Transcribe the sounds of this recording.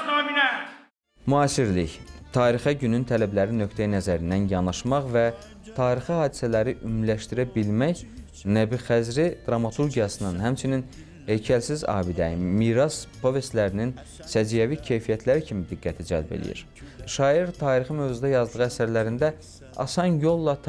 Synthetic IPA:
muɑːsiɾliçt̪ʰɑːɾixɑɟynynt̪ʰælæblæɾinø̞kʰt̪ʰæjnæzæɾind̪ænjɑnɑʃmɑχvæ | t̪ʰɑːɾixihɑːd̪isælæɾiʔymlæʃt̪iɾæbilmæç | næbiχæzɾid̪̥ɾɑmɑt̪ʰuɾɟijɑsɯnɯnhæmt͡ʃʰinin | hejcʰælsizɑ̰ːbid̪æmiːɾɑspʰo̞ve̞st̪læɾinin | sæd͡ʒijævicʰe̞jfijæt̪ʰlæɾicʰimid̪iɡːæt̪ʰid͡ʒæ̰lbḛlḭjḭɾ | ʃɑːiɾt̪ʰɑːɾiχimøvzud̪ɑjɑzd̪ɯʁɯæsæɾlæɾind̪æ | ɑ̰sɑnjo̞lˠːɑt̪

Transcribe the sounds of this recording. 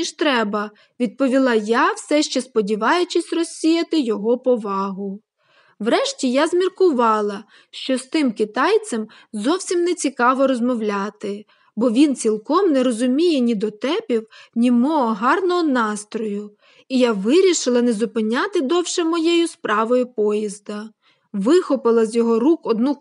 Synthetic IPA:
niʃt̪ɾɛbɐ | ʋʲid̪̚pɔʋʲilˠɑjawsɛʃt͡ʃɛspɔdʲiʋɑjʊt͡ʃɪsʲrɔsʲijɐt̪ɪjɔɦɔpɔʋɑɦʊ | wɾɛʃtʲijazmʲirkʊʋɑlˠɐ | ʃt͡ʃɔst̪ɪmkɪt̪ɑjt͡sʲɐm | zɔwsʲimnɛt͡sʲikɑʋɔɾɔzmɔwlʲat̪ɪ | bɔʋʲint͡sʲilˠkɔmnɛɾɔzʊmʲijɛnʲid̪ɔt̪ɛpʲiwnʲimɔɔɦɑrnɔɦɔnɑst̪ɾɔjʊ | ijaʋɪɾʲiʃɪlˠɐnɛzʊpɪnʲat̪ɪd̪ɔwʃɛmɔjejʊspɾɑʋɔjʊpɔjizd̪ɐ | ʋɪxɔpɪlˠɐzʲjɔɦɔɾukɔd̪nu

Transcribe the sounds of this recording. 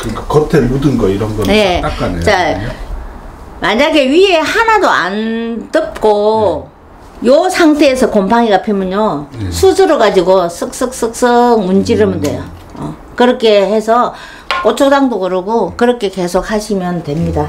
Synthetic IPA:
kɯkakʌtʰemudɯnɡʌiɾʌnɡʌjek͈ak͈anet͡ɕa | maɲaɡe̞ɥiɦe̞hanadoa̰ntɯp̚k͈o | josʰaŋtʰe̞ːsʰʌkompʰaŋiɡapʰimjʌɲosʰusʰɯɾɯɡad͡ʑiɡos͈ʰɯk̚s͈ɯk̚s͈ɯk̚s͈ɯŋ̚mund͡ʑiɾɯmɯndwe̞̰jo | ʌ̰ | kɯɾʌkʰe̞he̞sʰʌ | k͈ot͡ɕʰodaŋdoɡɯɾɯɡokɯɾʌkʰe̞ke̞sʰok̚haɕʰimjʌntwe̞mɲida

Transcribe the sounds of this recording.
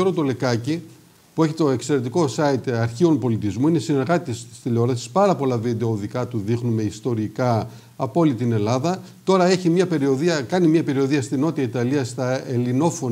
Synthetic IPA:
oɾot̪o̞le̞kɐci | pue̞çit̪o̞e̞kse̞ɾe̞t̪iko̞sɐit̪ɐɾçio̞npo̞lit̪izmuinesine̞ɾɣɐt̪it̪est̪i̥st̪iʎeo̞ɾɐsi̥spɐɾɐpo̞lɐvid̪e̞ooðikɐt̪uðixnume̞ist̪o̞ɾikɐː | po̞lit̪ine̞lɐðɐ | t̪o̞ɾɐe̞çimɲɐpe̞ɾio̞ðiɐkɐnimɲɐpe̞ɾio̞ðiɐst̪ino̞t̪iɐit̪ɐliɐst̪ɐelino̞fo̞

